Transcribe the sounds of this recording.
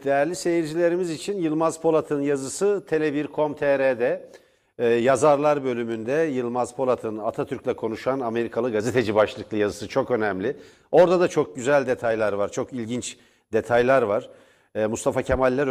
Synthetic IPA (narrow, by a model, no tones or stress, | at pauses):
d̪̥ejæɾlʲise̞jiɾd͡ʒilʲe̞ɾimizit͡ʃʰinjɯlˠmazpʰo̞lˠat̪ʰɯnjazɯsɯt̪ʰe̞lʲebiɾkʰo̞mt̪ʰeɾed̪ɛː | jazaɾlˠaɾbø̞lʲymynd̪ɛjɯlˠmazpʰo̞lˠat̪ʰɯnat̪ʰat̪ʰyɾcʲlʲɛkʰo̞nuʃaname̞ɾikʰalˠɯɡaze̞t̪ʰe̞d͡ʒibaʃlˠɯklˠɯjazɯsɯt͡ʃʰo̞kø̞nɛmlʲi | o̞ɾd̪ad̪at͡ʃʰo̞k̚ɟyzælʲd̪e̞t̪ʰajlʲˠaɾvaɾt͡ʃʰo̞kilʲɟint͡ʃ | d̪e̞t̪ʰajlʲˠaɾvaɾ̥ː | must̪ʰafacʰemalʲːæɾ